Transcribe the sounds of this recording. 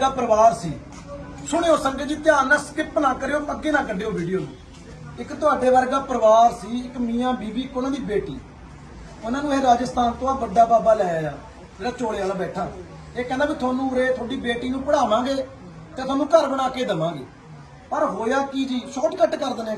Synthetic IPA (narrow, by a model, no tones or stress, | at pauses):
eːɾaːpəɾəʋaːɾsiː | sʊɽ̃eːoːsəkɡeːd͡ʒɪːt̪ɪjaːɾnãːskɪpnãːkəɾeːoːpəɡːeːnãːkəɖeːoːbiːɖijoːnṵ̃ː | ɪkt̪ʊaːɖeːʋəɾɡaːpəɾəʋaːɾsiːɪkmĩːãːbiːbiːkonãːd̪iːbeːʈiː | ʊnãːnũːeːɾaːd͡ʒəst̪aːnt̪oãːʋəɖaːbaːbaːlɛːaːjaː | d͡ʒeːɽaːt͡ʃoːɽeːaːlaːbɛːʈʰːaː | eːkɛ̃ːnd̪aːbiːt̪ʰʊaːnũːɾeːt̪ʰoːɖiːbeːʈiːnũːpəɽaːmãːɡeː | t̪ẽːt̪ʰʊaːnũːkəɾbəɽ̃aːkeːd̪əmãːɡḛː | pəɾɦoːjaːkɪd͡ʒiːʃɔːʈkəʈkəɾd̪ənẽː